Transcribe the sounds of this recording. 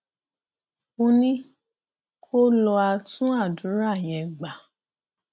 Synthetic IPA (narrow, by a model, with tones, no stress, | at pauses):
o˧nĩ˦ | kʰo˦lɔ˧a˧tũ˦a˦˨dũ˨˦ɾa˦˨j̃ɛ̃˨ɡ͡ba˨